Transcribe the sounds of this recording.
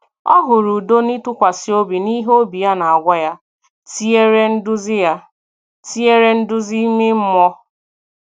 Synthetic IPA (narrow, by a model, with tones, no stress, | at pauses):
ɔ˦ɦʊ˨ɾu˨do˦ni˦tʊ˦kʷa˨si˦o˦bi˨ni˦ɦo˦bi˨ja˦na˨a˨ɡʷa˦ja˦ | ti˦e˦ɾe˦n̩˦dʊ˦zɪ˦ja˦ | ti˦e˦ɾe˦n̩˦dʊ˦zi˦me˦m̩˦mɔ˦